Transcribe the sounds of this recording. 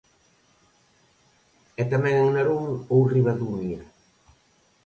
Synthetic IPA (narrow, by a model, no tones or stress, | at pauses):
ɛt̪amɛ̃ŋaŋnaɾoŋowriβad̪umnia